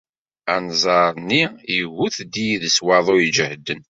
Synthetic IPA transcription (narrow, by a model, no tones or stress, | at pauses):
ænzˤɑɾˤnːiiɣuθd̪ijiðəswɑðˤʊid͡ʒəhd̪ən